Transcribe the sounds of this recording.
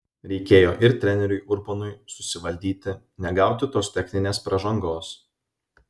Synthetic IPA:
ɾʲɛɪkʲeːjoːʔɪɾt̪ʲɾʲɛnʲɛɾʲʊɪʔʊɾbɐnʊɪsʊsʲɪʋɐlʲd̪ʲiːt̪ʲɪ | nʲɛɡɑˑʊt̪ʲɪt̪oːst̪ʲɛxʲnʲɪnʲeːspɾɐʒɐŋɡoːs

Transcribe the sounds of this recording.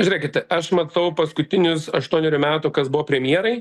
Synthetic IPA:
ʒʲʊɾʲeɛkʲɪt̪ɐʔɐʃmɐt̪ɐʊpɐskʊt̪ʲɪnʲʊsɐʃt̪uɔnʲɛɾʲʊmʲæːt̪ʊkɐsbʊʋoːpʲɾʲɛmʲjiɛɾɐɪ

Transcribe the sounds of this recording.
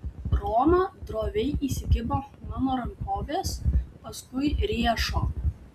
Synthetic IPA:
ɾoːmɐd̪ɾoːʋʲɛɪʔiːsʲɪɡʲɪboːmɑnoːɾɐŋkoːʋʲeːspɐskʊɪɾʲiɛʃoː

